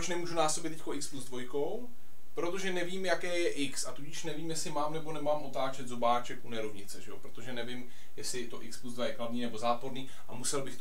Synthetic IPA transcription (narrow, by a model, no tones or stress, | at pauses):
ot͡ʃnɛmuːʒunaːsobɪt̪ɛcʲkoʔɪkspluzdvo̞jko̞w | pɾot̪o̞ʒɛnɛviːmjakɛːjɛʔɪksat̪uɟɪʃnɛviːmjɛslɪmaːmnɛbo̞nɛmaːmʔo̞t̪aːt͡ʃɛt̪zobaːt͡ʃɛkʔunɛɾovɲɪt͡sɛʒɛo̰pɾo̞t̪oʒɛnɛvɪm | jɛsɪt̪o̞ʔɪkspluzd̪vajɛklavniːnɛbo̞zaːpo̞ɾniː | ʔamusɛlbɪxt̪